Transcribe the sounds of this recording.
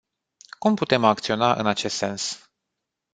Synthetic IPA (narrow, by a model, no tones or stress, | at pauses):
kumput̪e̞mak̚t̪sio̞naʔɨ̰nat͡ʃe̞st̪se̞ns